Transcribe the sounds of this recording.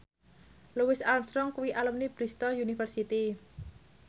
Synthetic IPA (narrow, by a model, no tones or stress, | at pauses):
luwɪsalmst̪ɾɔŋkuwiʔalumnib̥ɾist̪ɔljunifərsit̪i